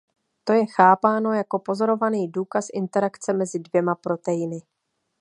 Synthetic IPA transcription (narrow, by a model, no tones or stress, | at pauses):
t̪o̞jɛxaːpaːno̞jako̞po̞zo̞ɾo̞vaniːduːkasʔɪnt̪ɛɾakt͡sɛmɛzɪdvjɛmapɾo̞t̪ɛjɪnɪ